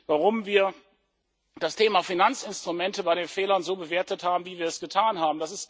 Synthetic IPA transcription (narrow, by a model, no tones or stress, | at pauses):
vaʁʊmviːɐ | d̥astʰeːmaːfinant͡sɪnstʁ̥ʊmɛntəbaɪɾeːnfeːlɐnzoːbəveːɐtəthaːbm̩viːviːɐɛsɡ̥ətʰaːnɦaːbm̩dasɪst